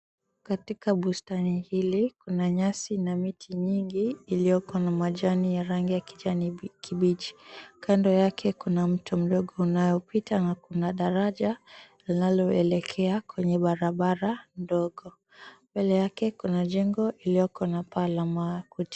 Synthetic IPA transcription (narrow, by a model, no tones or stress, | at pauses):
katikaɓustanihilikunaɲasinamitʰiɲiŋɡiːlijɔkɔnamaʄanijaɾaŋɡijaki̥ʄanikiɓiʄi̥kʰandɔjakʰɛkunam̩tum̩ɗɔɠɔunajɔpitanakunaɗaɾaʄalinalɔɛlɛkʰɛakwɛɲɛɓaɾaɓaɾandɔɠɔ | mbɛlɛjakɛkunaʄɛŋɡɔʔilijɔkɔnapalamakuti̥